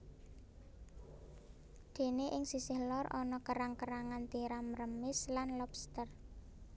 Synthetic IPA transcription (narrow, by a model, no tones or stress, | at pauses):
d̪̥e̤neʔɪŋsisɪhlɔrʔɔnɔkəɾaŋkəɾaŋant̪iɾamrəmɪslanlɔbst̪ər